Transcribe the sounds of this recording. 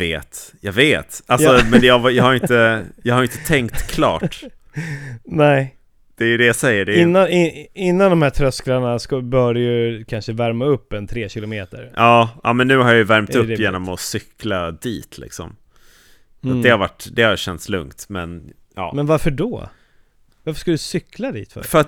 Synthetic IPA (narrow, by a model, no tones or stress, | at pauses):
eːt̪jɑɡveːt̪alsɔmɛnjɛavjahaɾɪnəjɑhaɾɪnt̪ət̪ʰɛŋkt̪kʰlɑ̰ːʈ | nɛː | d̪̥ɛːjɵd̪ɛjasɛjːəɖɛɪnːanɪɪnːand̪ɔmhæːt̪ʰɾœsklaɳaskabœːɖɛjɵkʰanʂəvæɾmaɵpːɛnt̪ʰɾeːɕɪlʊmeːt̪ə̰ɾɑːʔɑ̰ːmɛnːʉ̟ːhaɾjajvæɾmt̪ɵpːjeːnɔmɔsʏklad̪ḭːt̪ʰlɪ̰ksɔ̰m | at̪d̪ɛhaɾva̰ʈːd̪ɛhajɕɛnt̪slɵ̰ŋkt̪mɛ̰n | ɑ̰ːmɛnvaɾfəɖɔ̰ | vaɾfə̥ʂkad̪ɵsʏklad̪ḭːt̪fœ̰fœɾat̪